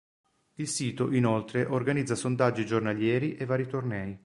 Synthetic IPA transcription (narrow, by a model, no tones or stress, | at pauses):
ilsiːt̪oʔinolt̪ɾeʔorɡanid̪zːasond̪ad͡ʒːid͡ʒornaljɛːɾiʔevːaːɾit̪ornɛːj